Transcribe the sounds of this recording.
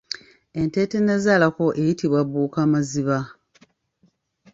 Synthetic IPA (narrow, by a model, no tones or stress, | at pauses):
e̞nte̞ːte̞ne̞zaːlako̞ʔe̞jitiβwaβuːkaːmaziβa